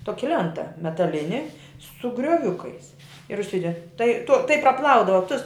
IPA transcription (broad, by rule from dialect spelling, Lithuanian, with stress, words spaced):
ˈtoːkʲɪ ˈlʲɛntɐ mʲɛtɐˈlʲɪnʲɪ sʊ ɡrʲoːˈʋʲʊkɐɪs ɪr ʊʃʲˈsʲɪdʲɛ tɐɪ tʊ tɐɪ prɐˈplˠɐʊdɐʋɐ tʊs